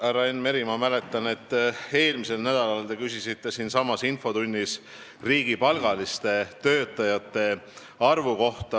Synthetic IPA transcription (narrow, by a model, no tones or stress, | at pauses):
ærɑenːme̞ɾimɑmæle̞t̪ːˑɑne̞t̪ːe̞ːlmise̞lnæd̪̥ɑlɑlt̪e̞kysisit̪ːe̞siːnsɑmɑsinfo̞t̪unʲːis | riːɡ̥ipɑlɡ̥ɑlist̪e̞t̪ø̞ːt̪ːˑɑjɑt̪ˑːe̞ | ɑrvuko̞ht̪ɑ